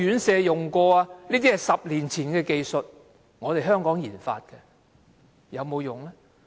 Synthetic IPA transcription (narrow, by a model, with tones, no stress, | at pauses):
yː˨˥nsɛː˧jʊ˨˩ŋkɔː˧aː˧niː˥t̪i˥hɐ˨˩jsɐ˨p̚liː˨˩nt͡sʰiː˨˩nkɛː˧ke˧jsɵ˨t̚ | ŋɔː˨˧t̪e˨jɦœː˥ŋkɔː˨˥ŋjiː˨˩nfa̰ː˧t̚kɛ˧ | jɐ˨˧wmo˨˧wjʊ˨ŋlɛ˥